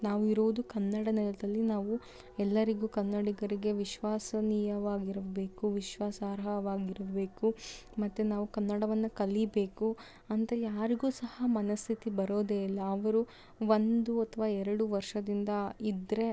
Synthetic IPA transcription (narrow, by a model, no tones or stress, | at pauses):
naːʋuiɾuʋud̪ukɐnːɐɽɐnɛlɐd̪ɐlːinaːʋu | ɛlːɐɾiɡuːkɐnːɐɽiɡɐɾiɡe̞ʋiʃʋaːsɐniːjɐʋaːɡiɾɐbe̞ːkuʋiʃʋaːsaːɾɦɐʋaːɡiɾɐbe̞ːkumɐt̪ːunaːʋukɐnːɐɽɐʋɐnːukɐlibe̞ːku | ɐnt̪ɐejaːɾiɡuːsɐhɐmɐnɐst̪ʰit̪ibɐɾoːd̪eːilːɐːʋɐɾu | ʋond̪uɐt̪ʰɐʋaːɛɾɐɽuʋɐɾʂɐd̪ind̪ɐid̪ɾe̞